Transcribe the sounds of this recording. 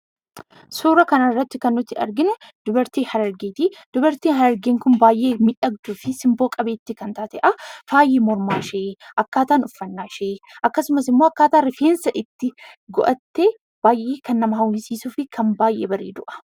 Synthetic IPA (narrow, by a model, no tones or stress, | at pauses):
suːɾɐkɐnɐɪrːɐt̪ːɪkɐnːʊt̪ːɪɐ̰ɾɡɪnɛd̪̥ʊbɐɾt̪iːhɐɾɐɾɡeːt̪id̪̥ʊbɐɾt̪iːnɦɐɾɐɾɡeːŋkʊnbaːjʔe̞ːmɪᶑɐɡ̚d̪uːfɪsɪmbo̞ːkʼɐbeːt̪ːɪkɐnt̪aːt̪ɛʔɐfaːjeːmɔɾmaːʃeːʔɐkːaːt̪aːnʊfːɐnːaːʃeːʔɐkːɐsʊmɐsɪmːoːɐkːaːt̪aːɾɪfeːnsɐʔɪt̪ːɪɡɔ̰ʔɐt̪ːeː | b̥aːjʔeːkɐnːɐmɐɦɐwɪsiːsuːfɪkʰɐmbaːjʔḛːbɐɾḛːd̪ʊʔɐ̥